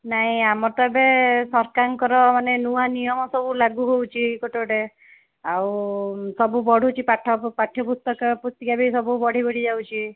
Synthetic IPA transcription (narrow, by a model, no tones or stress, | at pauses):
naɦĩamɔɾt̪aebesɔɾkaŋkɔɾɔmanenuanijɔmɔsɔbulaɡuɦowt͡ʃʰiɡoʈeɽe | awsɔbubɔɽ̤ut͡ʃʰipaʈʰɔpaʈʰːjɔpust̪ɔkɔpust̪ikabisɔbubɔɽ̤ibɔɽ̤id͡ʒawt͡ʃʰi